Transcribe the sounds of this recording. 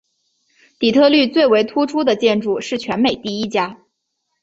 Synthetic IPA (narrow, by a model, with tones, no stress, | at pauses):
t̪i˨˩t̪ʰɤ˥˧ly˥˧t͡swe˥˩ɪwe˧˥ɪt̪ʰu˥ʈ͡ʂʰu˥d̪ə˨t͡ɕjɛ˥˧nʈ͡ʂu˥˩ʂɻ̩˥˩t͡ɕʰɥɛ˧˥nme˨˩ɪt̪i˥˩i˥t͡ɕja˥